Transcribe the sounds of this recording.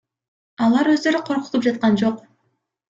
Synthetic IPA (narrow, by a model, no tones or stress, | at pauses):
ɑlˠɑɾwø̞zd̪ø̞ɾyqʰo̞ɾqʊ̥t̪up̚d͡ʒɑt̪̚qɑnd͡ʒo̞q